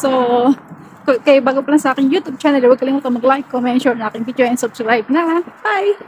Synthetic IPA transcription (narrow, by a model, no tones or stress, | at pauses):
so | kokajbaːɡopɐlaŋsɐʔaːkɪŋjuːt̪ub̚t͡ʃaːnɛlwɐɡkɐlɪmuːt̪ɐŋmɐɡlajkːomɛnʃoɹɐaːkɪŋbit͡ʃʊajɪŋsʊbskɾajb̚nɐhaj